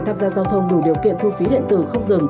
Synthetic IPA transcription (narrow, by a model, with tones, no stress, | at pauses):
t̪ʰaː˧˥mzaː˧zaː˧wt̪ʰə˧wŋ͡mɗu˧˩ɗi˨˩əwkḭ˧˨ənt̪ʰu˧fi˨˦ɗḭ˧˨ənt̪ɨ̰˧˩xə˧wŋ͡mzɨ˨˩ŋ